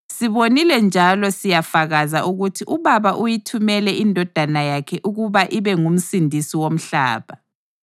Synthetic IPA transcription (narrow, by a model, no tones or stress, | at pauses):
siβonilɛnd͡ʒʱalɔsijafaɣazaʔuɣutʰiʔuβaβaʔujitʰumɛlɛʔindʱɔd̥ʱanajakʰɛʔuɣuβaʔiβɛŋum̩sindʱisiwom̩ɬa̰ːβa